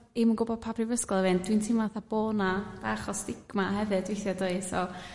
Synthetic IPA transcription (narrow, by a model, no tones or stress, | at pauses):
ɪmənɡʊbɔd̚pʰapʰrivəskɔlˠɛvɨnd̥wintʰɪmvaθab̥oːnab̥aaχɔsd̥ɪɡ̥mahɛvɨdvɪjθjɛdoɨsɔ